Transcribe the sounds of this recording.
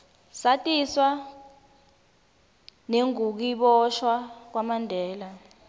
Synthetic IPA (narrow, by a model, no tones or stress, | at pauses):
satʼiswa | neŋuk̬iɓɔʃwak̬wamandʱɛːla